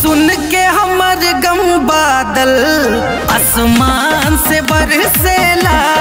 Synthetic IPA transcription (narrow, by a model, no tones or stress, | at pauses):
sʊnkeɦɐmɐɾɡɐmbaːd̪ɐl | ɐsmaːnsebɐɾselaː